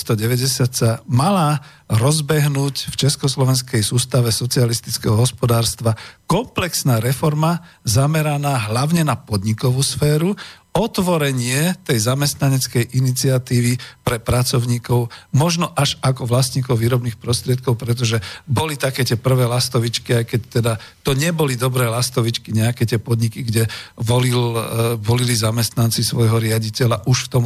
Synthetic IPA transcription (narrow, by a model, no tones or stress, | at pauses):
st̪ɔɟɛʋɛɟɛsɪat̪samala | ɾɔzbɛɦnuːcft͡ʃɛskɔslɔʋɛnskɛjsuːst̪aʋɛsɔt͡sialist̪it͡skɛɦɔɦɔspɔd̪aːɾst̪ʋakɔmplɛksnaːɾɛfɔɾmazamɛɾanaːɦlaʊɲɛnapɔd̪ɲikɔʋuːsfɛːɾu | ɔt̪ʋɔɾɛɲɪɛt̪ɛjzamɛst̪naɲɛt͡skɛjʔinit͡siat̪iːʋipɾɛpɾat͡sɔʊɲiːkɔʊmɔʒnɔʔaʒakɔʋlasɲiːkɔʊʋiːɾɔbniːxpɾɔst̪ɾɪɛt̪̚kɔʊpɾɛt̪̬ɔʒɛbɔlit̪akɛːt̪ɪɛpr̩ʋɛːlast̪ɔʋit͡ʃkiajkɛct̪ɛd̪at̪ɔɲɛbɔlid̪ɔbɾɛːlast̪ɔʋit͡ʃkiɲɛakɛːt̪ɪɛpɔd̪ɲikiɡɟɛʋɔlilʋɔlilizamɛst̪nant͡sisʋɔjɦɔɾɪaɟicɛlaʔuʃft̪ɔm